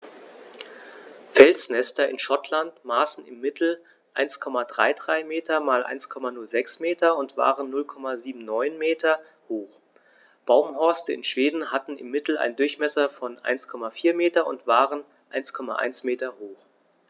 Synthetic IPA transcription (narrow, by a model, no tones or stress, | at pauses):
fɛlsnɛstɐɪ̰nʃɔtʰlantmaːsn̩ɪmːɪtl̩ | ʔaɪnskʰɔmadʁa̰ɪdʁaɪmeːtʰɐmaːlʔa̰ɪnskʰɔmanʊlzɛksmeːtɐʊntv̥a̰ːʁənːʊlkʰɔmaziːbm̩nɔʏnmeːtʰɐ | hoːx | b̥aʊmhɔɐstəɪ̰nʃv̥eːdn̩hatn̩ɪ̰mːɪtl̩a̰ɪndʊɐçmɛsɐfɔnʔa̰ɪnskʰɔmafiːɐmeːtɐʊ̰ntv̥aːʁən | ʔaɪnskʰɔma̰ʔa̰ɪnsmeːtɐhoːx